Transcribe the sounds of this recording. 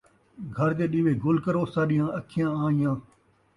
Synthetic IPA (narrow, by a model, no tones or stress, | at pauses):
ɡʱəɾd̪eːɗiːʋeːɡʊlkəɾoːsaːɗɪ̃jãːəkʰɪjãːaːɪjãː